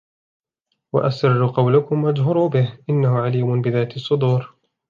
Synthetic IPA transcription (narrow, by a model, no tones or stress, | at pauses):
wa̰ʔasɪrːʊqɑwlakʊmʔad͡ʒɦʊɾuːbɪhʔɪnːahʊʕaliːmʊnbɪðaːt̪ɑsˤːʊd̪uːɾ